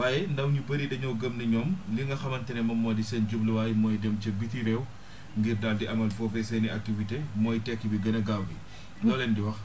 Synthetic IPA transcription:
waːjɛndɐwɲubɐɾiɗɐɲɔwɡəmnɐɲɔːmliŋɡɐxɐmɐntɛnɛmɐmːɔːdisɛnɟubləwaːjmɔːjdɛmcɐbitiɾɛw | ŋɡirdaːldiʔɐmɐlfɔfɛsɛniak̚tivitemɔːjtɛkːibiɡɐnɐɡawːi | nɔlɛndiwɐx

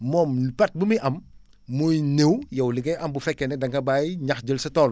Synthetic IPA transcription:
mɔːmpɐt̚bumiʔɐmː | ujnewjɛwliŋɡɛjʔɐmbufɛkːɛnɛdɐŋkɐbajɲɐxd͡ʒəlsɐtɔːl

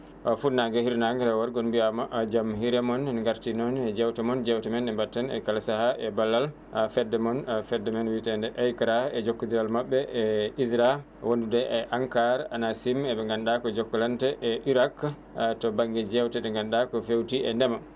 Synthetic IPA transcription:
ɔfunaɡɛhiɾnaŋɡɛɾɛwaɾɡɔnbiamd͡ʒamhiɾɛmɔnŋɡaɾtinɔnɛd͡ʒɛwtɛmɔnd͡ʒɛwtɛmɛnɛmbatːɛnɛ̰kalasahaʔɛbalːal | fɛdːɛmɔnfɛdɛmɛnwitɛndɛʔɛjkaɾaɛd͡ʒokːɔd̪iɾalmaɓːɛʔɛisɾa | wondudɛʔɛʔaŋkaɾanasimɛɓɛŋɡanɗakɔd͡ʒɔkːɔlantɛʔɛʔiɾak | tɔbaŋɡɛd͡ʒɛwtɛdɛŋɡanɗakɔfewtiʔɛndɛma

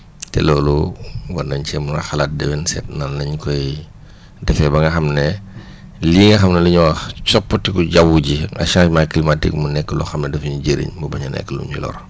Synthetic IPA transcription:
tɛ̰lɔːluwɐnːɐɲcɛmuŋɡɐ̰xɐlaːt̚dɛwɛnsɛt̚nanːɐɲkɔj | dɛfɛbɐŋɡɐxɐmnɛ | liːŋɡɐxɐmnɐliɲuwɐxt͡ʃɔpːətikuɟawuɟiɐ̰ʃãːmaːklimatḭkmunɛkːəlɔxɐmnɛdɛfɲuɟəɾḭɲmbubɐɲɐnɛ̰kːəlṵɲṵlɔ̰ɾ

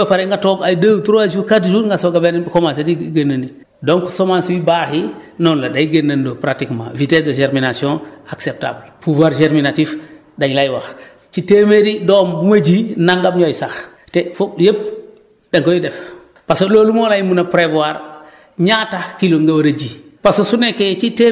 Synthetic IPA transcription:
apaɾeŋɡatoɡajdəwtuɾad͡ʒukatd͡ʒuŋɡasoɡabenbkomas̬etiɡenːandi | dɔŋksomanswibaːhinɔnladajiɡenːandopɾatikma̰vitesdɐʒeɾminasiɔ̃aksep̚ta̰blpuvaɾʒeɾminatif | daɲlajwax | t͡ʃitemeɾidombumad͡ʒinaŋɡabɲojsax | tefujep̚ | daŋkojidɛf | pasololumolajimunapɾevwaɾ | ɲatakiloŋɡawaɾad͡ʒipasosuneket͡ʃite

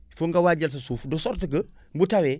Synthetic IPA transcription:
fuŋɡɐwaɟɐls̬ɐsuːfdɔsɔɾtəɡə | mbutawɛ

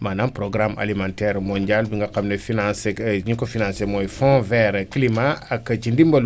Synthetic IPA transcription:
manãnpɾoɡɾama̰limãntɛɾmoɲɟalbiŋɡakamnefinãseɲikofinãnsemojfõvɛɾklimaːkːat͡ʃindimbol

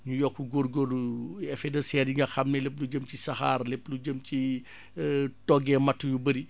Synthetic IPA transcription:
ɲujɔkːuɡoːɾɡolɛfɛdɐsɛːɾiŋɡɐxɐmnɛlep̬̚luɟəmcisɐxaːrleplud͡ʒəmci | tɔɡɛmɐtːujubɐɾi

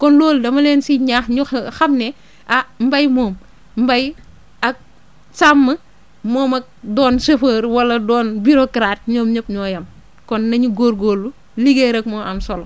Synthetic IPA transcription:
kɔnloːldɐmɐlɛːnsiɲaːxɲuxɐmnɛ | ʔɐmbɐjmɔːm | m̩bɐj | ɐk̚ | saːmːɐ | mɔːmɐk̚dɔːnsefəːɾwɐlɐdɔːnbiɾokɾaːt̚ɲɔːmɲɐpɲɔːjɐm | kɔnːɐɲuɡoːɾɡoːlːu | liɡeɾɐkmɔːɐmsɔl

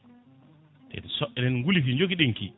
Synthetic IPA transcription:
tɛ̰nsɔʔɛnɛnŋɡulifiɲd͡ʒoɡiɗeŋkḭ

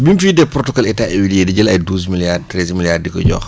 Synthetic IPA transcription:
bimfiːdɛpɾɔtɔkɔlɛtaewidijediɟɐlɐjduːzmiljartɾɛzmiljardikɔ̰ɟɔ̰ːx

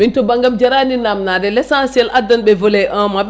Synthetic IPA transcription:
mintɔbaŋɡamd͡ʒɛɾaninamnadɛlɛsansiɛlʔadːanɓɛvɔlɛʔamaɓ

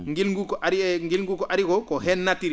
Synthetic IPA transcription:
ŋɡilŋɡukɔʔaɾiŋɡilŋɡukoʔaɾikokoɦɛnːatiɾ

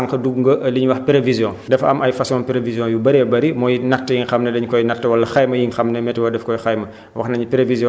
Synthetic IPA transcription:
ŋkɐduɡŋɡəʔɐliɲwɐxpiɾevizjɔ̃dɛfɐ̰mɐjfɐsɔ̃npiɾevizjɔ̃jubɐɾɛbɐɾimɔːjnɐtːəjiŋxɐmnɐdɛɲkɔjnɐtːɐwɐlːɐxajmɐjiŋxɐmnɐmɛtɛwɐdɛfkɔjxɐjmɐ | wɐ̰xnɐɲipɾevizjɔ̃

